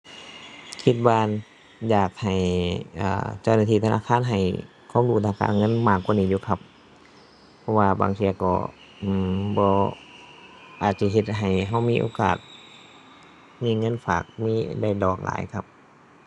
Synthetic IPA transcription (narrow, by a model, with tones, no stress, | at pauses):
kʰi˧t̪̚waː˧ | jaː˨˩k̚ha˨˩jʔa̰ː˧˩t͡ɕa˧˩˨wnaː˧˩t̪ʰiː˧˩t̪ʰa˧na̰ː˧˥˨kʰaː˧˥˨nɦa˨˩j | kʰa˧˥˨mduː˧˩t̪ʰaː˧˨ka̰ː˧˥˨nŋɤ˧˥˨nmaː˧˩kːa˧˨niː˧˩˨juː˧˨kʰa˧p̚ | pʰːɔ˧waː˧ba̰ː˧˨ŋsʰi˧kɔ̰ː˧˩ | ʔmbɔː˧ | ʔaː˨˩t̪̚t͡ɕa˧˩ɦe˧t̪̚ɦa˨˩jɦa˧˩wmiː˧˥˨ʔo̰ː˧ka̰ː˨˩t̪̚ | miː˧˥˨ŋɤ˧˥˨nfa̰ː˨˩k̚miː˧˥˨da˧˩jdɔː˨˩k̚la̰ː˨˦jkʰa˧p̚